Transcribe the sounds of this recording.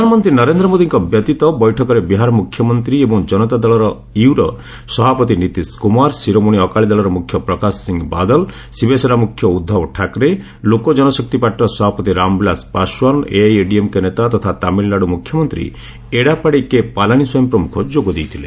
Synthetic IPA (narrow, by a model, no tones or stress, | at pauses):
ɾɔd̪ʱanɔmɔnt̪ɾinɔɾend̪ɾɔmod̪iŋkɔbjɔt̪it̪ɔbɔjʈʰɔkɔɾebiɦaɾɔmukʰjɔmɔnt̪ɾiebɔŋd͡ʒɔnɔt̪ad̪ɔɭɔɾɔ | iwɾɔ | sɔbapɔt̪init̪iskumaɾsiɾomuɽ̃iɔkaɭid̪ɔlɔɾɔmukʰjɔpɾɔkasːiŋɡbad̪ɔl | sibeseɾamukʰːjɔud̪ʱːɔbɔʈʰakɾe | lokɔd͡ʒɔnɔsɔk̚t̪ipaʈɾɔsɔbapɔt̪iɾambilaspaswɔnḛajeɖiemkenet̪at̪ɔt̪ʰat̪amilːaɽumukʰjɔmɔnt̪ɾḭ | eɽapaɽikepalaɽ̃iswɔjɔmpɾɔmukʰɔd͡ʒoɡɔd̪ejt̪ʰile